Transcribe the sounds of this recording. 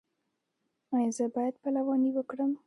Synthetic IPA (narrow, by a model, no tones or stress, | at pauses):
ajɑzəbɑjad̪̚palawɑniwəkɽəm